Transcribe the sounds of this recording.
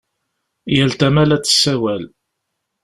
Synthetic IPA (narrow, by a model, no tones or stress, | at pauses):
jælt̪æmælæt͡sːə̥sːæwæl